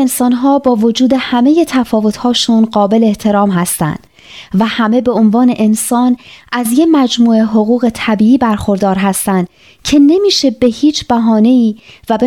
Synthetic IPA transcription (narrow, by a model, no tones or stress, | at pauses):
ensɒːnɦɒːbɒːvo̞d͡ʒuːd̪e̞hæme̞je̞t̪ʰæfɒːvo̞t̪ʰhɒːʃunɢɒːbe̞leeht̪ʰe̞ɾɒːmɦæst̪æ̰nd̪̥ | væhæme̞be̞onvɒːne̞ʔensɒːnʔæzjemæd͡ʒmuːe̞ɦoɣuːɣe̞t̪ʰæbiːiːbæɾxo̞ɾd̪ɒːɾɦæst̪ænd̪̥ | cʰe̞ne̞miːʃe̞be̞hiːt͡ʃʰb̥æɦɒːne̞iːvæbe